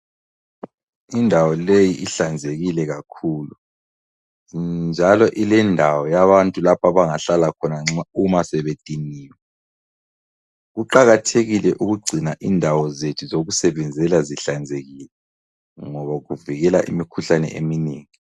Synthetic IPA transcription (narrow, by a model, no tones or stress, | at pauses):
indʱawɔlejiʔiɬand͡zʱeɣilɛɣakʰuːlu | nd͡ʒʱalɔʔilɛndʱawɔjaβantʼulapʰaβaŋaɬalakʰɔnaŋ͡ǁaumasɛβetʼiniːwɛ | ɣuǃaɣatʰeɣilɛʔuɣuɡ͡ǀʱinaʔindʱawɔzetʰuzoɣusɛβɛnd͡zʱɛlaziɬand͡zʱeɣilɛ | ŋɔβaɣuviɣɛlaʔḭmikʰuɬanɛ̰ʔḛmineːŋi